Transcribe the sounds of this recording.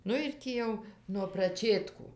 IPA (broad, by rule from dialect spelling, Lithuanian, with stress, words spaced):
ˈnʊ ɪr ˈtʲiː jɛʊ nuɔ prɐˈt͡ʃʲeːtkuː